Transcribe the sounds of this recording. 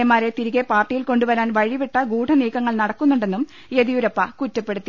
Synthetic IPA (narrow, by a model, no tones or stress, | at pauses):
ɐmaːɾe̞t̪iɾiɣepaːrʈːijilko̞ɳɖuʋɐɾaːnʋɐɻiʋiʈːɐɡuːʈʰɐniːkːɐŋːɐɭnɐɽɐkːunːuɳɖe̞nːum | eðijuɾɐpːɐkutːɐpːe̞ɽut̪ːi